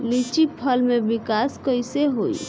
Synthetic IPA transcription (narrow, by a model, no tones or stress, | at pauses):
lit͡ʃipʰəlmebikaskəjseɦoḭ